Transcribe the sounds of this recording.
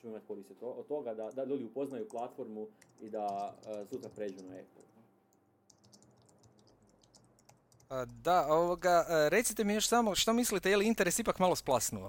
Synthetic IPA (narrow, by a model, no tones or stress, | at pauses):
t͡ʃeoimat̪̚ʲko̞ɾist̪od̪t̪ːo̞ɡad̪ad̪alluːd̪iupoznajuplˠat̪fo̞ɾmuid̪aəsuːt̪ɾapɾed͡ʒunaḛpl̩ˠ | ad̪aoʋoɡaɾe̞t̪sit̪e̞mijo̞ʃsamoʃt̪omislit̪eje̞liint̪e̞ɾe̞sipakmalˠo̞splˠasnuʋo